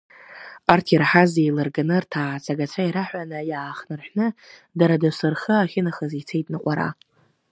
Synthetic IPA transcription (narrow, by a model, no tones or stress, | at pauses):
artʰirħazejlɨrɡanɨrtʰaːt͡sʼaɡat͡ʃʷʰaiɾaħʷᶣanajaːχnɨrħʷᶣnɨdaɾadɨsɨrχəaχʲɪnaχəzit͡sʰejtʼnɨqʷʼaɾa̰